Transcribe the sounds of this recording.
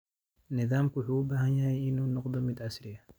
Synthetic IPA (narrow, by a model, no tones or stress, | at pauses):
nɪðaːmkʊħuːʊbaːhɐnjɐhɛjɪnuːnɔqd̪ɔmɪd̪ʕasɾɪɐ